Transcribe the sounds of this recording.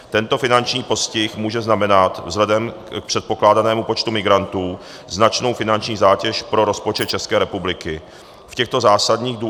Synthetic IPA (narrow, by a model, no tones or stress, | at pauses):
t̪ɛnt̪o̞fɪnant͡ʃɲiːpo̞scɪxmuːʒɛznamɛnat̪vzlɛdɛm | k̚pr̥ɛt̪̚po̞klaːdanɛːmupo̞t͡ʃt̪umɪɡɾant̪uː | znat͡ʃno̞wfɪnant͡ʃɲiːzaːcɛʃpɾo̞ɾo̞spo̞t͡ʃɛt̪̚t͡ʃɛskɛːɾɛpublɪkɪ | fcɛxt̪o̞zaːsadɲiːɣdu